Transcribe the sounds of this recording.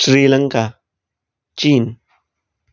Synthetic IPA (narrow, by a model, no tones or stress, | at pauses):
sɾiːlaŋka | t͡ʃiːn